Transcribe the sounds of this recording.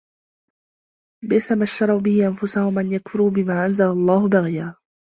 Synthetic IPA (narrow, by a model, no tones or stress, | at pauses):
bɪsamaʃt̪ɑɾˤɑwbɪhɪʔanfʊsahʊmʔanjakfʊɾuːbɪmaːʔanzalalˤːɑːhʊbaɣjaː